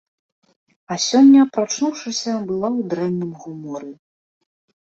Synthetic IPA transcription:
ɐsʲɔnʲːɐpɾat͡ʂnuwʂɨsʲɐbɨlˠawd̪ɾɛmnɨmɣumɔɾɨ

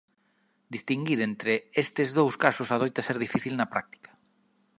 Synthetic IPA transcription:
d̪ist̪iŋɡiɾent̪ɾeest̪ezðowskasosað̞ojt̪aseɾðifiθilnapɾa̰k̚t̪i̥kḁ

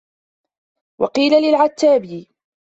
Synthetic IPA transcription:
wɑqiːlalɪlʕat̪ːaːbɪː

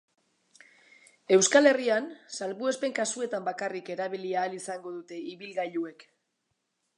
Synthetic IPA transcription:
e̞wskale̞riansalβue̞spe̞ŋkasue̞t̪ambakarike̞ɾaβiliaːlisaŋɡo̞ðut̪e̞iβilɣaʎue̞k

